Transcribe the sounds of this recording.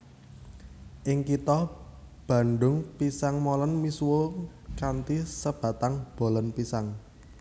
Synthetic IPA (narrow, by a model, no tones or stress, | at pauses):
ʔɪŋkit̪ɔ | b̥ä̤nɖʊŋpisaŋmolənmisuwo | kant̪isəb̥a̤t̪aŋb̥o̤lənpisaŋ